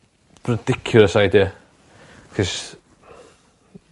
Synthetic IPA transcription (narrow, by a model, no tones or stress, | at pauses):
rəd̥ɪkʰjʊlˠəsajdiə | kʰɪs